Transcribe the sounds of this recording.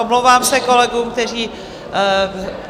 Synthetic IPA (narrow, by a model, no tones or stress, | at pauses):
omlowvaːmsɛko̞lɛɡuːmk̚t̪ɛr̝iː